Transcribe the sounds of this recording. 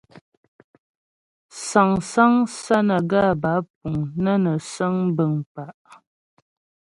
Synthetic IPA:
sa˨ŋsa˦ŋsa˦nə˨ɡa˦˨ba˨˦p̚u˨ŋnə˦nə˨sə˦ŋ˦bə˨ŋpa˨ʔ

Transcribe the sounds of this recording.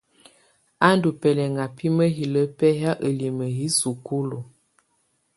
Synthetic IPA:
a˦ndu˨pɛ˨lɛ˨ŋa˨pi˦mə˦ɦi˨lə˦pɛ˦ɦa˦ʔə˨li˨mə˨ɦi˦su˨ku˦lu˨

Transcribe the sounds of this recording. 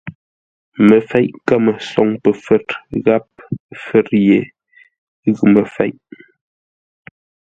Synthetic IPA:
mə˨fɛ˨˦jʔka˦mə˨sɔ˨ŋpə˨fɛ˦tɣa˦p̚fə˦˨ɾje˨ | ɣʉ˨mə˨fɛ̰˨˦jʔ

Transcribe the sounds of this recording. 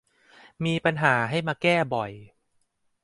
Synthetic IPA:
miː˧pa˧nɦaː˩˦ɦa˥˩jmaː˧kɛː˥˩bɔ˨˩j

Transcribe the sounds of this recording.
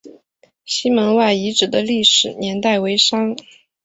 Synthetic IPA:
ɕi˥mə˧˥nwa˥˩ɪi˧˥ʈ͡ʂɻ̩˨˩d̪ə˦li˥˩ʂɻ̩˨˩njɛ˧˥nt̪a˥˩ɪwe˧˥ɪʂɑ˥ŋ

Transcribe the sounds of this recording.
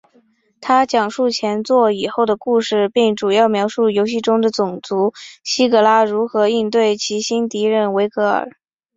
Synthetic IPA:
t̪ʰa˥t͡ɕjɑ˨˩ŋʂu˥˩t͡ɕʰjɛ˧˥nt͡swɔ˥˩i˨˩xo˥˩ʊd̪ə˩ku˥˧ʂɻ̩˥˧pi˥˩ŋʈ͡ʂu˨˩jɑ˥˩ʊmjɑ˧˥ʊʂu˥˩jo˧˥ʊɕi˥˩ʈ͡ʂʊ˥ŋd̪ə˨t͡sʊ˨˩ŋt͡su˧˥ɕi˥kɤ˧˥la˥ɻu˧˥xɤ˧˥i˥˧nt̪we˥˩ɪt͡ɕʰi˧˥ɕi˥nt̪i˧˥ɻə˥˩nwe˧˥ɪkɤ˧˥ə̰˞˨˩˦

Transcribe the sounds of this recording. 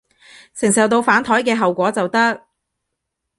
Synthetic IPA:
sɪ˨˩ŋsɐ˨wt̪o˧wfaː˨˥nt̪ʰɔː˨˥jkɛː˧ɦɐ˨wkʷɔː˨˥t͡sɐ˨wt̪ɐ˥k̚

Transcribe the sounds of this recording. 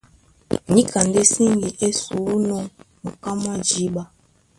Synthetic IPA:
ɲĩ˦ka˨n˨de˦sĩ˦ŋ˦ɡi˨ʔe˦su˨ɾu˦nɔ̃˦nu˨ka˦m˦a˦d͡ʒi˨˦ɓa˦

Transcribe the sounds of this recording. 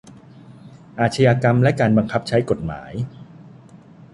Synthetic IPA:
ʔaː˨˩t̪̚t͡ɕʰa˧jaː˧ka˧mlɛ˦˥kaː˧nba˧ŋkʰa˦˥p̚t͡ɕʰa˦˥jko˨˩t̪̚ma̰ː˩˦j

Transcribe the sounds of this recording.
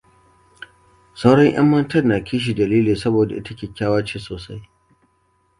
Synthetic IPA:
sɐ˦wɽɐ˦ɲj̰ɐ̰˦mːɐ˦ntɐ˦rnːaː˨kʲʰiː˦ʃ̬i˨dɐ˨liː˦liː˨sɐ˦boː˨da˨ʔɪ˦tɐ˦kʲeː˨kʲːaː˦waː˦t͡ʃeː˦soː˨sa˦j

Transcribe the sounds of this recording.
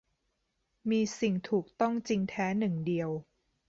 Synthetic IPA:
miː˧si˨˩ŋt̪ʰuː˨˩k̚t̪ɔ˥˩ŋt͡ɕi˧ŋt̪ʰɛː˦˥nɯ˨˩ŋdi˧əw

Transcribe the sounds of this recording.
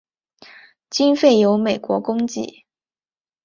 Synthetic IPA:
t͡ɕi˥nfe˥˩ɪjo˧˥ʊme˨˩ɪkwɔ˧˥kʊ˥ŋt͡ɕḭ˥˩

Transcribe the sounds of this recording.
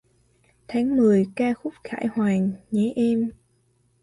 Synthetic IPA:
t̪ʰa˨˦ŋmɨ˨˩əjkaː˧xʊ˦˥p̚xa̰ː˧˩jhwaː˨˩ŋɲɛ˨˦ʔɛ˧m

